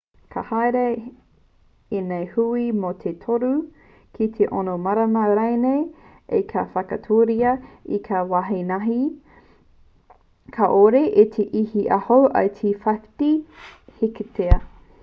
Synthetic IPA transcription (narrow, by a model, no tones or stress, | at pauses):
kʰɐhajɾe | enejhuimot̪ʰet̪ʰoɾu | kʰitʰeʔonomɐɾɐnɐɾajnej | ekʰafɐkɐtʰoːɾiɐikʰawaɦenɐɦi | kʰɐʔoɾeʔet̪ʰeʔihiʔɐhowʔɐ̰tʰifɐ̥tiheketeɐ